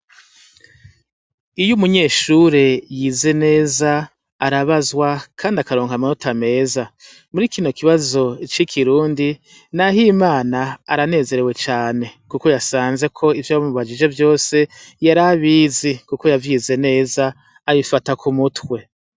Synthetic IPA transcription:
ijumuɲe̞ːʃuːɾe̞jiːze̞ne̞ːzaː | ɾaβazwakʰaːndiakaɾo̞ːŋhamanotame̞ːza | muɾiːkino̞kiβazo̞t͡ʃikʰiɾuːndi | naɦimaːnaːɾane̞ːze̞ɾe̞we̞t͡ʃaːne̞kuko̞jasaːnze̞kʰo̞ivjaumuβad͡ʒid͡ʒo̞vjo̞ːse̞jaɾaβiːzikuko̞javjiːze̞ne̞ːzaː | βifatakʰumutwe̞

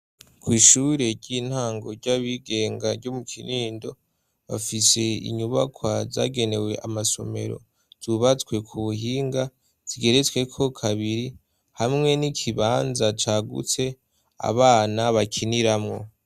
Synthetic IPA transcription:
kʰwiːʃuɾe̞ɾɟiːn̥haːŋɡo̞ɾɟaβiɡe̞ːŋɡaɾɟomukʰiɾiːndo̞ | βa̰fise̞ḭɲuβakwaza̰ːɡe̞ne̞we̞ʔamaso̞̰me̞̰ɾo̞̰ | z̥uβat͡swe̞kʰuβuɦiːŋɡa | z̥iɡe̞ɾet͡swe̞kʰo̞kʰaβiɾi | hamŋe̞nikʰiβaːnzat͡ʃaːɡṵt͡se̞ | a̰βaːnaβakʰiniɾamŋo̞̰

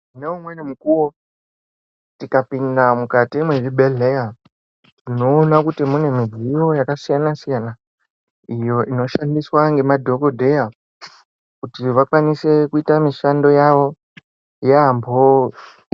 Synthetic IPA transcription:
neumwe̞nimukuwo | tikapindamukatimweribʱe̞ɮeja | tino̞ːnakutimune̞mid͡zijo̞jakasijanasijana | ijo̞ʔino̞ʃandiswaŋɡe̞madʱo̞kodʱe̞ja | kutiʋakwanise̞kuitamiʃando̞jaʋo̞ | jambo

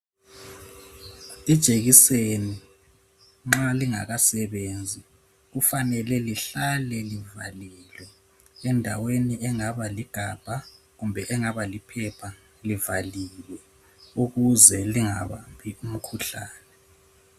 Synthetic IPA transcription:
id̥ʒ̥ʱeɣiseni | ŋ͡ǁaliŋa̰ɣasɛβend͡zʱi | ɣufanɛlɛliɬalɛliva̰lilwɛ | ɛndʱaweniɛŋaβaliɡ̥ʱab̥ʱa | ɣumbʱɛʔɛŋaβalipʰɛpʰa | livaliwɛ | uɣuzɛliŋaβampʰium̩kʰuɬa̰ːnɛ

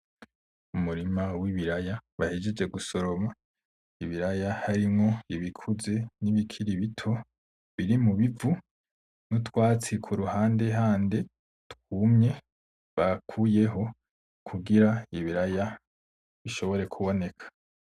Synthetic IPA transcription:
umuɾimawiβiɾajaβahid͡ʒed͡ʒe̞ɡuso̞ɾo̞ma | iβiɾajahaɾimŋo̞iβikʰuze̞niβikʰiɾiβitʰo̞ | βiɾimuβivu | nutwaːt͡sikʰuɾuhaːnde̞ɦaːnde̞ | tkuːmɲe̞ | βakʰuːje̞ɦo̞ | kʰuɡiɾaiβiɾaja | βiʃo̞βo̞ɾe̞kʰuβo̞ne̞kʰḁ

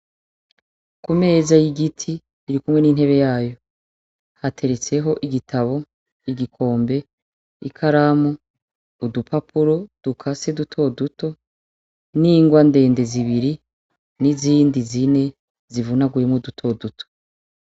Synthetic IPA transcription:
kume̞ːzajiɡitʰi | iɾikumŋe̞niːn̥he̞βe̞jaːjo̞ | hatʰe̞ɾe̞t͡se̞ɦo̞ʔiɡitʰaβo̞ | iɡikʰo̞ːmbe̞ | ikʰaɾaːmuː | dupapʰuɾo̞d̥ukʰasedutʰo̞duto̞ | niːŋɡwande̞ːnde̞ziβiɾi | niziːndizine̞ | zivunaɡujemŋudutʰo̞dutʰo̥

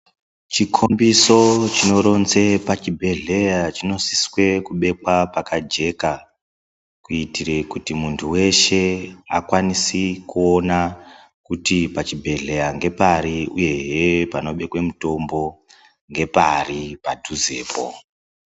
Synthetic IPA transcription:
t͡ʃikʰombiso̞t͡ʃino̞ɾo̞nze̞pat͡ʃibʱe̞ɮe̞jat͡ʃino̞siswe̞kuɓe̞kwapakad͡ʒe̞ka | kuitirekutimuntʰuwe̞ʃe̞akwanisikuo̞na | kutipat͡ʃibʱe̞ɮe̞jaŋɡe̞paɾiṵje̞ɦepano̞ɓe̞kwe̞muto̞mbo̞ | ŋɡe̞paripadʱuzeːpo̰

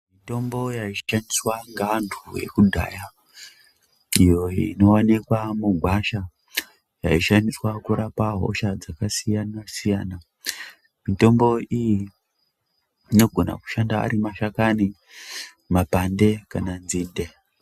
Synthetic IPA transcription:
mito̞mbo̞jait͡ʃi̥ʃandiswaŋɡantʰṵje̞̰kudʱa̰ːja | ijo̞iino̞wanikwamuɡʱwaʃa | jaiʃandiswakuɾapaɦo̞̰ʃad͡zakasijanasijaːna | mito̞mbo̞iji | no̞ɡʱona̰ku̥ʃandaa̰ɾimaʃakani | mapande̞kananziːnde

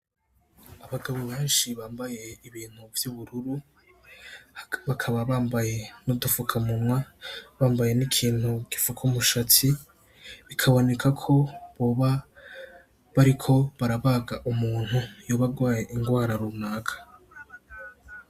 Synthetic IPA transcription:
aβaɡaβoβe̞ːnʃiβaːmbaje̞iβiːn̥huvjuβuɾuɾu | βakʰaβaβaːmbaje̞nodufukʰamumŋwaβaːmbaje̞nikʰiːn̥huɡ̥ifukʰumuʃati | βikʰaβo̞ne̞kʰakʰo̞βo̞ːβa | βaɾikʰo̞βaɾaβaɡaʔumuːn̥hujoːβaɡwaːje̞ʔiŋɡwaːɾaɾuːmnaːkʰḁ

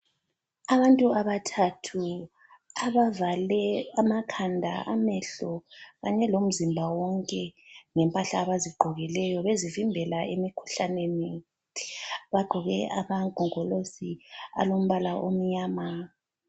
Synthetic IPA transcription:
aβantʼuaβatʰatʰu | aβavalɛamakʰandʱa̰ʔamɛɬɔɣaɲɛlom̩zimbʱawɔŋkʼɛŋɛmpʼaɬaːβaziɡ͡ǃʱɔɣilɛjɔβezivimbʱɛlaemikʰu̥ɬaneni | βaɡ͡ǃʱɔɣɛamaɡʱɔŋɔlosia̰lom̩βalaʔo̰m̩ɲaːma

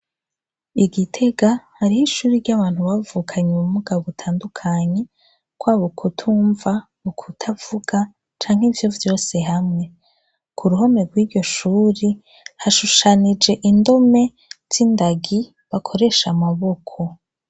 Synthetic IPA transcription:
iɡitʰe̞ɡahaɾihiʃuːɾiɾɟaβaːn̥huβavukʰaɲeumuɡaβutʰaːndukʰaɲe̞ | kwaːβukʰutʰuːɱva | ukʰutʰavuɡa | t͡ʃaːŋ̥hivjo̞vjo̞ːse̞ɦamŋe̞ | kʰuɾuɦo̞meɡwiːɾɟo̞ʃuːɾi | haʃuʃanid͡ʒe̞ʔindo̞me̞ | z̥indaɡi | βakʰo̞ɾe̞ʃamaβo̞kʰo̞

